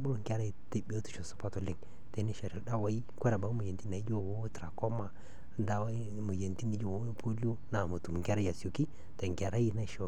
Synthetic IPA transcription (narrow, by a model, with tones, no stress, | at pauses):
bo˦˨ŋkʲa˦ɾa˦i˨ti˦bi˦o˦tu̥˨ʃo˨su̥˨pa˦to˨li˦ŋ | te˨˦ni˦ʃe˨ɾi˨da˦wa˨˦i˦kʷe˦ɾa˨ba˨˦mu˨je˨nti˦na˨i˦d͡ʒo˦˨wo˦tɾa˨ko˦ma˨˦ | da˦wa˦ | mu˨je˨nti˦ni˦d͡ʒo˦˨wo˦pʰo˦li˦o˦na˨mu˨tu˨m˨ŋka˦ɾa˦ja˨so˨ki˦ | te˨ŋ˨ka˨ɾa˦ji˦˨na˦˨ʃo˨